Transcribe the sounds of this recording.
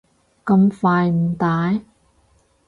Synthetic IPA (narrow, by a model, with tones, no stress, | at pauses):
kɐ˧mfaː˧jm̩˨˩t̪aː˨˥j